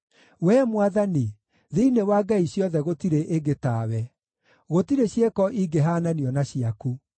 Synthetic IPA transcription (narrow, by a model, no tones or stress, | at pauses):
wɛːmwaðani | ðeinewaːɡaiɕjɔðɛɣotiɾeʔeɡetaːwɛ | ɣotiɾeɕjekɔʔiɡeɦaːnaniɔnaɕiaku